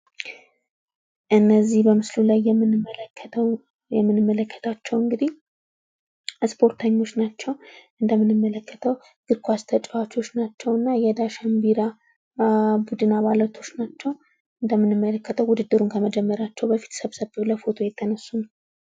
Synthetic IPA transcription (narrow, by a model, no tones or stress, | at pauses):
ʔɨnːəzːihbəmɨslulajːɛmːɨnʰːə | jɛmːɨnɨmːələkʰːə̥t̪ʰat͡ʃːɛwɨŋɡɨd̪ih | spʰo̞ɾt̪ʰəɲːo̞t͡ʃːnat͡ʃːɛwʔɨnd̪əmːɨnɨmːələkːə̥t̪ʰəw | ɡ̥ɨɾkʰʷast̪ʰət͡ʃʼwat͡ʃo̞t͡ʃːnat͡ʃːɛwɨnːajɛd̪aʃambiɾa | bud̪ɨnaβalət̪ʰo̞t͡ʃːnat͡ʃːɛw | ɨnd̪əmːɨnɨmːələkːət̪ʰəwud̪ɨd̪ːɨɾunkʰəməd͡ʒɛmːəɾat͡ʃːɛwbəfi̥t̪ʰsəβsəβləfo̞t̪ʰo̞jɛt̪ʰːənəsːunə